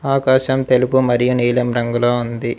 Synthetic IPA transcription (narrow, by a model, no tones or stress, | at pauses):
aːkaːʃɐmt̪e̞lupumɐɾijuniːlɐmɾɐŋɡuloːund̪i